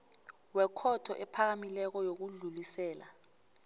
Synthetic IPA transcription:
wɛkʰɔtʰɔʔɛpʰak̬amilɛk̬ɔjok̬uɮulisɛːla

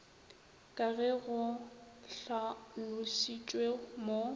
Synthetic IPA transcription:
kʼaɣɛɣʊɬalʊʃit͡ʃʼwemo

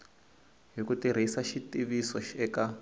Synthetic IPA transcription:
ɦikutiɾ̤isaʃitiβisɔʃɛka

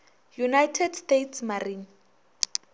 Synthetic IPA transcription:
junajtʰɛdstetʰsmariːn

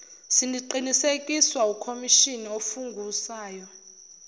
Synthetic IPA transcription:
sindʱiǃinisekʼiswaukʰomiʃiniofuŋɡʱusaːjɔ

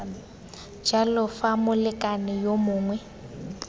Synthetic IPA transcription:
d͡ʒalɔfamʊlɪkʼanɪjomʊːŋwɛ

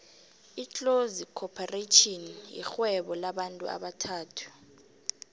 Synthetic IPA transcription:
it͡ɬʼozikʰɔpʰaretʰʼɔnjḭxwɛɓɔlaɓantʼṵa̰ɓatʰaːtʰu̥

